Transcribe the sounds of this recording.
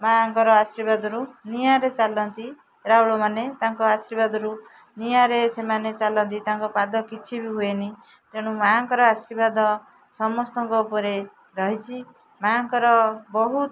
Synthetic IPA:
maŋkɔɾɔasiɾibad̪ɔɾunijaɾet͡ʃalɔnt̪i | ɾauɭɔmanet̪aŋkɔasiɾibad̪ɔɾu | nijaɾesemanet͡ʃalɔnt̪̬it̪aŋkɔpad̪ɔkit͡ʃʰibiɦueni | d͡ʒeɽ̃ũmaŋkɔɾɔasɾibad̪ɔ | sɔmɔst̪ɔŋkɔupɔɾe | ɾɔɦit͡ʃʰi | maŋkɔɾɔbɔɦut̪

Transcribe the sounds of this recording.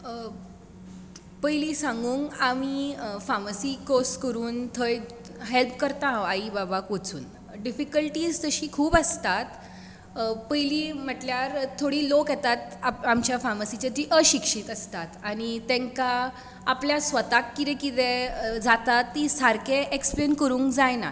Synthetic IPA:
pəjliːsãŋɡuːŋɡamifaməsikoskəɾuːnt̪ʰəj | ɦelpkəɾt̪ãaibabakot͡sṵːn | ɖifikəlʈiːd͡zt̪əɕiːkʰuːpəst̪at̪ | pəjliːm̤əʈljaɾt̪ʰoɽiːlokjɛt̪at̪aamt͡ɕjafaməsit͡ɕat̪iʔəɕikʂiːt̪əst̪at̪añit̪ẽŋkaː | pljasʋət̪akːit̪ẽkit̪ẽd͡zat̪at̪ːisaɾkeʔeksplenkəɾũːŋkd͡zajna̰

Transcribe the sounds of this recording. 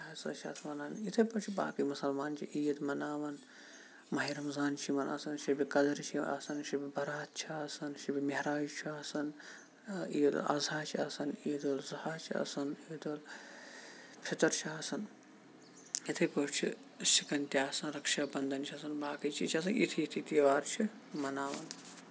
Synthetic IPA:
ɐsɐ̰t͡ʃʰɐ̰ːt̪ʰmɐnaːnit̪ʰɐpɐt͡ʃʰiba̰ːkimusɐlmaːnt͡ʃʰiʔiːjd̪mɐnaːʋɐn | mɐɦiːɾɐmzaːnt͡ʃʰimɐnɐ̰sɐnʃibikɐd̪ɐɾt͡ʃʰiɐ̰sɐnʃibibɐɾaːt̪̚ʰt͡ʃʰiaːsɐnʃibʲimeɦɾaːd͡ʒt͡ʃʰiaːsɐn | iːd̪̰lʔɐ̰zaːt͡ʃʰiɐsɐniːd̪oːlzɐhaːt͡ʃʰiɐ̰sɐniːd̪oːl | pʰit̪ɐɾt͡ʃʰiaːsɐn | it̪ʰikoːt͡ʃʰi | sikɐnt̪jaːsɐnɾɐkʃaːbɐnd̪ɐnt͡ʃʰiɐsɐnbaːkɐt͡ʃʰit͡ʃʰɐs̬ɐnit̪ʰiːt̪ʰit̪iːʋaːɾt͡ʃʰi | mɐnaːʋɐn

